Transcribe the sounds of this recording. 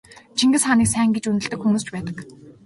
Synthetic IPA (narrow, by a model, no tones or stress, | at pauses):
t͡ɕʰiŋɡɘ̆sχaniːksæːŋɡet͡ɕunɘ̆ɮt̪ɘ̆kxumuːst͡ɕpæːt̪ə̆k